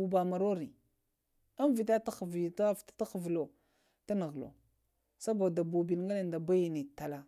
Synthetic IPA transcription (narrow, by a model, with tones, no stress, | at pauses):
u˨ba˨ma˨ɾo˦ɾi˨ | a˦m˦vi˨ta˦ta˦xvi˨ta˦ftḁ˦ta˦xə˨vlo˨ | ta˦nə˨ɣlo̰˨ | sa˦ba˨da˨bu˨bi˨n˦ŋɡa˦la˦˨n˨da˨ba˦ji˨ni˨ta˨la˦